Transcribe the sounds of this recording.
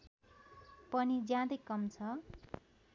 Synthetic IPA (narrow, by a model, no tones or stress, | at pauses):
pʌnid͡zjãd̪ʌjkʌmt͡sʰʌ